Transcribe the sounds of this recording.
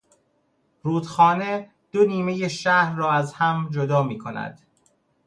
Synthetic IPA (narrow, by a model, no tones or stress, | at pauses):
ruːd̪xɒːne̞ | d̪̥oniːme̞jeʃæɾːɒːæzhæmd͡ʒod̪ɒːmiːkʰo̞næ̰d̪̥